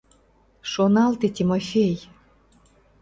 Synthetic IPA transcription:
ʃonɑlt̪it̪ʲimofʲej

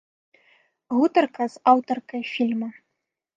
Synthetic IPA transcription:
ɣut̪ɐrkɐzawt̪ɔrkɐjfʲilʲmɐ

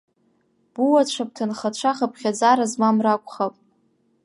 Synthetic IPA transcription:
b̥uwaʈ͡ʂʷʰap̚ʰtʰanχaʈ͡ʂʷʰaχapʰχʲad͡zaɾazmamrakʷʼχapʼ

